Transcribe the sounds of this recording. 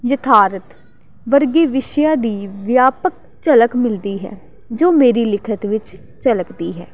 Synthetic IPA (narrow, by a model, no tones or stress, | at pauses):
jət̪ʰaːɾət̪ | ʋəɾɡeːʋɪʃjaːd̪iːʋjaːpək̚ | t͡ʃələkmɪld̪iːɦɛ̰ː | d͡ʒoːmeːɾiːlɪkʰət̪ʋɪt͡ʃ | t͡ʃələkd̪iːɦɛː